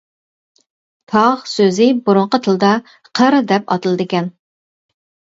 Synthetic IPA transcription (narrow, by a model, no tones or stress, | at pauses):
t̪ʰɑʁsøzɪbuɾʊɴqət̪ʰɨlˠd̪ɑ | qʰəɾd̪ɛpɑ̰t̪ɨlˠɨd̪ɨkʲɛn